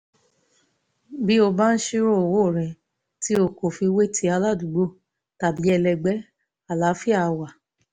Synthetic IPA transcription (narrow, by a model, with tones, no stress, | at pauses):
bi˦o˧ba˦n̩˦ʃi˦ɾo˦˨wo˦˨ɾ̃ĩ˨ | ti˨˦o˧˨ko˨fi˧we˦tʰi˦a˧la˦˨du˨ɡ͡bo˦˨ | ta˨bi˨˦ɛ˧lɛ˧ɡ͡bɛ˨˦ | a˨la˨˦fi˦a˦˧wa˨